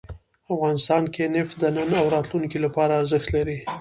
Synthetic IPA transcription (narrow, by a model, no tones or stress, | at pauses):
afɣɑnɪst̪ɑnkenɪfd̪ənənawɾɑt̪luŋkilapɑɾaːɾzəxt̪laɾi